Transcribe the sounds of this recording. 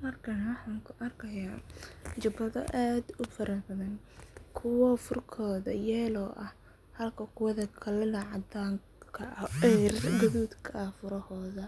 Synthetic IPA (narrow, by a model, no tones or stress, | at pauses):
mɐrkʰɐnɐwɑħɑːŋkʰʊʔɐrkʰɐjaːt͡ʃɐbɐðɐ̰ʔaːd̪ʊfɐɾɐbɐðɐn | kʰʊwɔfʊrkʰɔːðɐ̰jɛːlɔːʔɐh | hɐlkʰɐqʰʊwɐðɐkʰɐlɛlɐʕɑd̪aːŋ | kʰɐʔɐɛrɡʊðuːd̪kʰɐfʊɾɐhɔːðɐ